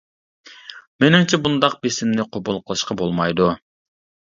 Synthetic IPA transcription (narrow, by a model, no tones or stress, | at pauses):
menɪmt͡ʃʰɛbund̪ɑq̚besɪmnɪqʰobulˠqʰəlˠɨʃqɑbolˠmɑjd̪u